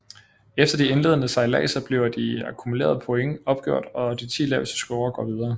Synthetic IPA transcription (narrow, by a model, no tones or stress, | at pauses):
efd̥ɐd̥ie̝nle̝ðˠənəsɑ̈ɪlɛ̰ːsɐb̥le̝ʊd̥iɑ̈kʰumule̝̰ːɐð̞̩ˠpʰoeŋəɒ̽b̥̚ɡ̥jo̝ɐ̰d̥ɒ̽d̥it͡sʰḭːlɛːʊlsə̥sɡ̥oʊɐɡ̥ɒ̰ːʋið̞ˠɐː